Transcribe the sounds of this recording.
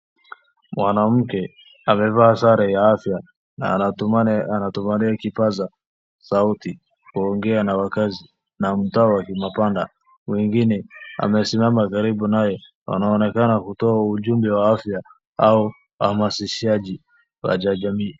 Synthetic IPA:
mwanam̩kɛ | amɛvahasaɾajaafja | na̰ | anatumaɾiakipaza | sauti | kuɔŋɡɛanawakazi | nam̩taɔwakimapanda | wɛŋɡinɛa̰mɛsimamakaɾiɓunajɔ | wa̰naɔnɛkanakutɔauʄumbɛwaafja | au | wahamasiʃiad͡ʒi | wa̰d͡ʒad͡ʒamiː

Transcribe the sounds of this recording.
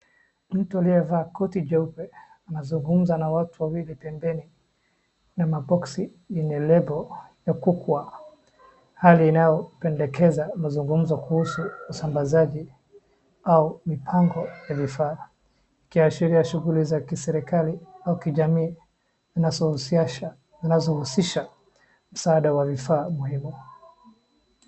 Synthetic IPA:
m̩tualiɛvaːkɔtid͡ʒɛupɛ | anazuŋɡum̩zanawatuwawilipɛmbɛni | namabɔksi | inɛlɛbɔjakukwa | haliːnajɔpɛndɛkɛzamazuŋɡum̩zɔkuhusuːsambazaʄi | aumipʰaŋɡɔjavifaː | ikiaʃiɾiaʃuɣulizakisɛɾikaliaukiʄamiː | zinazɔhus | zinazɔhusiʃa | m̩saaɗawavifaːmuhimu

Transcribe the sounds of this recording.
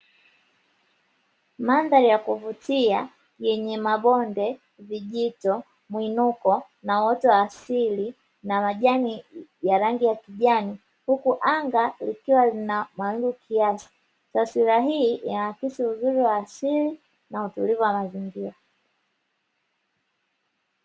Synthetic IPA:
manðaɾijakuvutia | jɛɲɛmaɓɔndɛ | viʄitɔ | mwinukɔ | nawɔtɔwaːsili | namaʄanijaɾaŋɡijakiʄani | hukuʔaŋɡalikiwalinamawiŋɡukʰiasi̥ | taswiɾaɦiːʔinawakisiuzuɾiwaːsili | nautulivuwamaziŋɡiɾa

